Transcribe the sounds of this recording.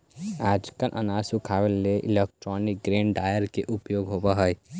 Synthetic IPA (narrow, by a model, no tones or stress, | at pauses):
aːd͡ʒkəlʔə̰naːsukʰaːʋelːeʔɪ̰lek̚ʈɾɔːnɪk̚ɡɾẽːɳɖɖaːjəɾkeʔʊpjoːɡɦobaɦəj